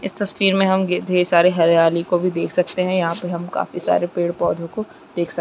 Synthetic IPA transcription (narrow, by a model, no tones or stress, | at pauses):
ɪst̪ɐsʈiːɾmẽɦɐmɡed̪ʱeːesaːɾeɦɐɾjaːlikobʱid̪eːkʰsɐk̚t̪eɦɛ̃jɐɦãpeɦɐ̃mka̰ːfisa̰ːɾepeːɽpɔːd̪ʱõko | d̪̥eːkʰsɐ